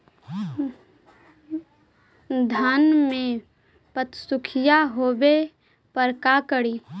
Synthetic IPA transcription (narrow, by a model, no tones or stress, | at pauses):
d̪ʱaːnmẽ | pət̪sʊkʰɪjaɦoːbe | pəɾkakəɽiː